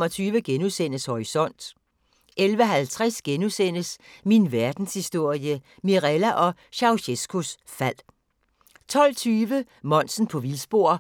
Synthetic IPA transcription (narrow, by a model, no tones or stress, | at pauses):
mɒ̽t͡sʰyːʋəɡ̥enuðˠsen̰əshɒʁisɒ̽n̰d̥ | elʋəɦælt͡sʰʁɛsɡ̥enuðˠsen̰əsminʋæɐd̥n̩shisd̥o̝ɐ̰jə | miʁɛlæʔɒ̽ | ɕɑ̈ʊɕesɡ̥ʰus | fæl̰ | t͡sʰɒ̽l̰t͡sʰyːʋə | mɒ̽n̰sn̩pʰɒ̽ʋilsb̥o̝ɐ̰